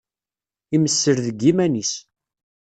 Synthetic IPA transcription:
iməsːəɾðəɡːimænis

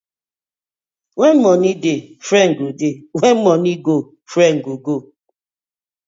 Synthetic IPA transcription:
ŋʷem̩mɔnidefɾeŋ̩ɡodeŋʷem̩mɔniɡo | fɾeŋ̩ɡoɡo

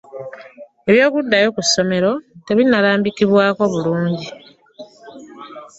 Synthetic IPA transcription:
eβjo̞ːkudːajo̞kusːo̞me̞ɾo̞te̞βinːalaːmbikiβwaːko̞βuluːɲɟi

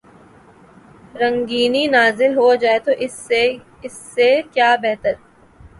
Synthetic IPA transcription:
ɾɐ̃ŋɡiːninaːzɪlɦod͡ʒaːet̪oʔɪse | ɪsːekjaːbɛɦt̪əɾ

